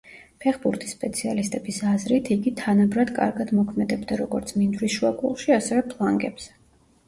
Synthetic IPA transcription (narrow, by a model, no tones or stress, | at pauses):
pʰɛχbuɾt̪ʰʼi̥sːpʼɛt̪sʰialist̪ʼɛbisazɾit̪ʰiɡit̪ʰanabɾad̪kʼa̰ɾɡad̪mɔkʰmɛd̪ɛbd̪aɾɔɡɔɾt̪sʰmind̪ɾisʃuakʼṵlʃiasɛvɛpʰlˠaŋɡɛbz̥ɛ